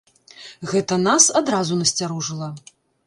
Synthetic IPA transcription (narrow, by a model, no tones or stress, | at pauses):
ɣɛt̪ɐnasad̪ɾazunɐsʲt͡sʲaɾuʐɨlˠɐ